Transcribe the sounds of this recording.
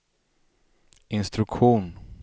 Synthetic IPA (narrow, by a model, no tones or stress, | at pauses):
ɪnst̪ɾɵkɧuːn